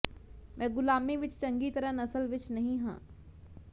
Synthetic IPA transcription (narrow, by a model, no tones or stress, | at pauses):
mɛ̃ːɡʊlaːmiʋɪt͡ʃt͡ʃɐ̃ŋɡit̪ɐɾənɐsəlʋɪt͡ʃnɐɦĩɦã̰ː